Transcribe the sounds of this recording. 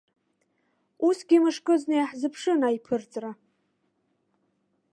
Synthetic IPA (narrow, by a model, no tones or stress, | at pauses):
usɡʲimɨʂkʼɨznejħzɨpʰʂɨnajpʰɨrt͡sʼra